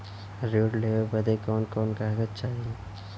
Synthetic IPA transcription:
ɾoːɖlebəd̪ekɔːnkɔːnkaɦɡət̪t͡ʃaːɦi

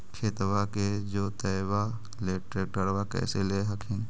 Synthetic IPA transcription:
kʰet̪waked͡ʒoːt̪əːwa | leːʈɾeːk̚ʈəɽʋakɛ̰ːseleːɦəkʰin

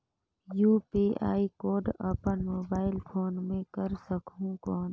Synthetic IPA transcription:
juːpiʔa̰ːikoːɖɐ̰pənmoːbaːɪlpʰoːnmẽkəɾsəkʰũkɔːn

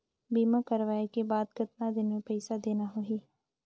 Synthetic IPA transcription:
biːmakɐɾʋaːekebaːd̪kɪt̪nad̪ɪnmẽpɛɪsad̪eːnaɦoɦiː

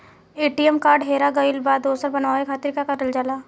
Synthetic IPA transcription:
eːʈiemkaːɾɖɦeːɾaɡəɪlbaːd̪oːsəɾbɐnaːekʰaːt̪ɪɾkakɐʈəld͡ʒalaː

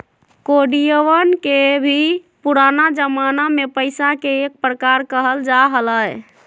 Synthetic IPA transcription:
koɖijəʋənkebʱi | puɾanad͡ʒəmanamepəɪsakeːk̚pɾəkaɾkəɦəld͡ʒaɦələj

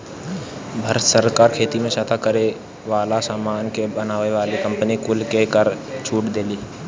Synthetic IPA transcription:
bʱəɾət̪səɾkaːɾkʰeːt̪imẽʃət̪ʰakəɾe | ʋaːlasaːmaːnkebənaːʋeʋaːlikɐ̃mpənikʊlkekəɾt͡ʃʰuːʈd̪eːliː

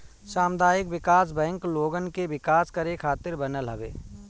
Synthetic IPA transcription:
ʃaːmd̪ʱaːjɪkʋɪkaːs̬bɛ̃ːŋkloːɡənkebɪkaːskəɾekʰaːt̪ɪɾbənəlɦɐ̰ʋḛː

